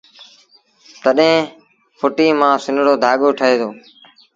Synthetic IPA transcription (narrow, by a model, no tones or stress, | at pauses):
t̪əɗẽː | pʰʊʈiːmãːsɪnɽoːd̪ʱaːɠoːʈʰəɦeːd̪oː